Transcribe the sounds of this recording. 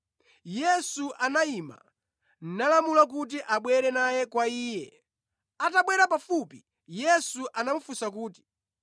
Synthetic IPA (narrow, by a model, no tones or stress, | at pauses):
jɛsuʔanaima̰ | n̩nalamulak̬ut̬iʔaɓwɛɾɛnajɛkwaiːjɛ | ataɓwɛɾapafupi | jɛsuʔanamufusakuːti̥